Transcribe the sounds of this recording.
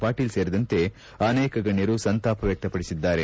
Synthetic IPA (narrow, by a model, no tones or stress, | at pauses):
paːʈiːlse̞ːɾid̪ɐnt̪e̞ | ɐneːkɐɡɐɳjɐɾusɐnt̪aːpɐʋjɐk̚t̪ɐpɐɽisid̪ːaːɾe̞